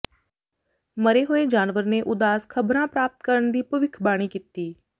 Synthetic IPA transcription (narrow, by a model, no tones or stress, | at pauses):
məɾeːɦoːeːd͡ʒaːnʋəɾneːʔʊd̪aːskʰəbɾãːpɾaːp̚t̪kəɾəɳd̪iːpəʋɪkʰbaːɽ̃iːkit̪iː